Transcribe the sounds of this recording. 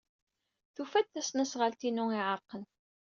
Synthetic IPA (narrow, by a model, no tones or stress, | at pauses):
θufæd̪θæsnæsʁəlt̪inʊiʕəɾqːən